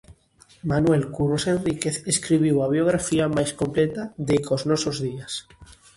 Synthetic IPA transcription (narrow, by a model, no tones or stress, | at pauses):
manwelkurosenrikeθeskɾiβiwaβ̞joɣ̞ɾafiamajskomplet̪aðekoznɔsozðias